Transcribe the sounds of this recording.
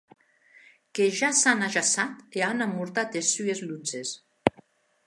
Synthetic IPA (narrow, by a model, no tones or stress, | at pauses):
keʒasanaʒasat̪eanamuɾt̪at̪esyezlud͡zes